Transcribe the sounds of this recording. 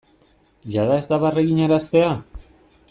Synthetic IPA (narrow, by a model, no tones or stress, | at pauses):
ʎaðae̞zt̪aβareɣiɲaɾast̪e̞a